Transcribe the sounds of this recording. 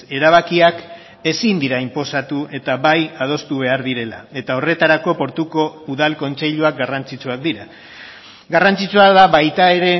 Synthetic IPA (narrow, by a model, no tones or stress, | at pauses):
e̞ɾaβ̞akiak | e̞sind̪iɾaimpo̞sat̪uʔe̞t̪aβajað̞o̞st̪uβ̞e̞aɾðiɾe̞la̰e̞t̪ao̞re̞t̪aɾako̞po̞ɾt̪uko̞uðalko̞nt͡se̞ʎuak̚ɡarant͡sit͡suak̚d̪iɾa | ɡarant͡sit͡suaðaβajt̪ae̞ɾe̞